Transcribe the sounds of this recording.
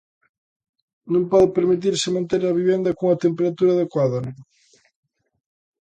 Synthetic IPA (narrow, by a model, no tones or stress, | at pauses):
nõŋpɔðɪpeɾmit̪̬iɾsɪmɐ̃nt̪eɾɐβiβend̪ɐkoŋɐt̪empeɾat̪uɾaðekwaðɐ